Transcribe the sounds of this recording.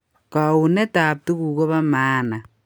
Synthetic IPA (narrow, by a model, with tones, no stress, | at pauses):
ka˨u˨ne˦taː˨p̚tu˦ku˨ko˦βa˦maː˦na˨